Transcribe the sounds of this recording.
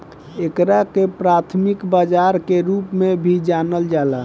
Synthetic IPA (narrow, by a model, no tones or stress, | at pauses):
ekɾakepɾat̪ʰmikbad͡ʒaɾkeɾupmebʱid͡ʒanəld͡ʒala